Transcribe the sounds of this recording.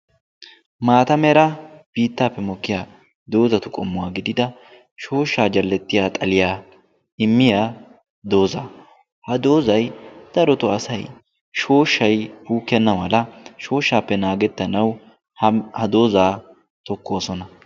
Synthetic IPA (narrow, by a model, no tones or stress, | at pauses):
maːt̪ɐmɛɾɐb̥iːt̪ːaːpːɛmɔkːɪjaː | d̪o̞ːzɐt̪ʊkʼɔmːʊwaːɡɪd̪ɪd̪ɐ | ʃo̞ːʃːaːd͡ʒɐlːɛt̪ːɪjaːt̪ʼɐlɪjaː | ɪmːɪjaː | d̪o̞ːza | hɐd̪oːzɐjd̪̥ɐɾɔt̪ʊɐsɐj | ʃo̞ːʃːɐjbuːkːɛnːɐmɐlɐʃo̞ːʃːaːpːɛnaːɡɛt̪ːɐnɐw | hɐd̪o̞ːzaː | t̪ɔkːo̞ːsɔnɐ